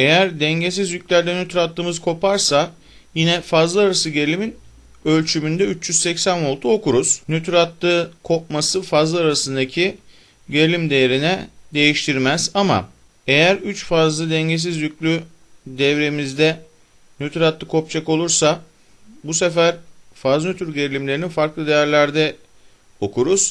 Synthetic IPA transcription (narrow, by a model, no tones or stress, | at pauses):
e̞jæɾd̪ɛɲɟe̞s̬izjycʲlʲæɾd̪ɛnyt̪ɾat̪ːˠɯːmɯzkʰo̞paɾsa | jinɛfazlˠaaɾasɯɟelʲimin | ø̞lʲt͡ʃʰymynd̪ɛyt͡ʃːjyz̥sɛcsæno̞lˠt̪ʰuokuɾuz̥nyt̪ɾat̪lɯkʰo̞p̚masɯfazlˠaaɾasɯnd̪acʰi | ɟe̞lʲimd̪ejeɾinɛd̪e̞jiʃt̪ʰiɾmæz̥ama̰ | e̞jæɾyt͡ʃfazlˠɯd̪ɛɲɟe̞s̬izjyclʲy | d̪ɛvɾemizd̪ɛ | nyt̪ʰɾat̪lːˠɯkʰo̞p̚t͡ʃʰako̞lˠuɾsa | bus̬efæɾfaznyt̪ʰyɾɟeɾlʲimlʲe̞ɾininfaɾklˠɯd̪e̞jæɾlʲæɾd̪ɛ | o̞kʰuɾuz̥